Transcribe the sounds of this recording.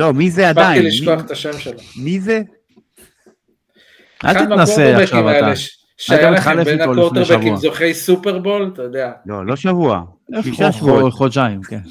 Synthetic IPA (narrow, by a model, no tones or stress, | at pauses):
lo̞mizeadbaiilimoaχet̪aʃemʃelamize | ʔa̰lt̪inaseaeʃavaeaeʃ | ʃaajamitχalefnoloteʁbevimazoχejsupeʁbo̞lt̪ajod̪ealo̞̰lo̞ʃavua̰ | eiʃaʃoχot͡ʃaimken